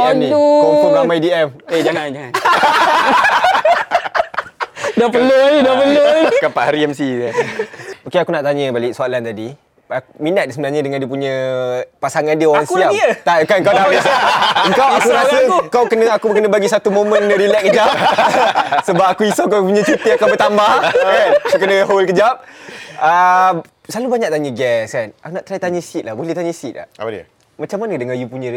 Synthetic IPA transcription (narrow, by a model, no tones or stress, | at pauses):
nĩpoɾamajdiɛmed͡ʒaŋa | dapəloaudapəlokapaʔhaɾiɛmsi | okeakunaʔt̪aɲə̃balɪʔsualant̪adi | akminat̪̚dsəbənahɲə̃dəŋandiəpuɲə̃pasaŋandiəoɾaŋsiat̪akaəŋkawdaasaəŋkawakuɾassəkawkənəakukənə̃baɡisat̪umomə̃nnəɾilɛʔ̚kəd͡ʒap̚ | səbap̚akuisawk̬ap̬uɲə̃t͡ʃut̪iakawbət̪ambahkanakukənəɦolkəd͡ʒap̚ə | salubaɲaʔ̚t̪aɲəɡɛskanakunaʔt̪əɾajt̪aɲə̃sit̪̚lahbolɛht̪aɲəsit̪̚la̰ | mat͡ʃamanədəŋajupuɲə̃